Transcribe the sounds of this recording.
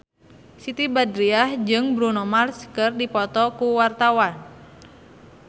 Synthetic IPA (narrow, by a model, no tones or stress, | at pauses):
sit̪ibadɾiahd͡ʒɨŋbɾunɔmarskərdipɔt̪ɔkuwart̪awan